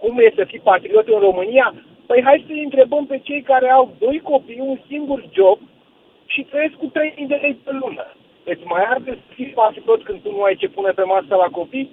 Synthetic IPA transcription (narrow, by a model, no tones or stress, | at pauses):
kumjest̪efipat̪ɾio̞t̪ɨnro̞mɨnija | pəjɦajd̪ʲsəjɨnt̪ɾe̞bəmpe̞t͡ʃe̞jkaɾe̞awd̪o̞jko̞pijunsiŋɡurd͡ʒo̞b̚ | ʃit̪ɾeje̞sk̚kut̪ɾe̞jmijd̪ele̞jd̪ʲtelunə̰ | vet̪sʲmajard̪esfipat̪it̪o̞t̪sʲkɨnt̪unuajt͡ʃe̞punepe̞masəlako̞pij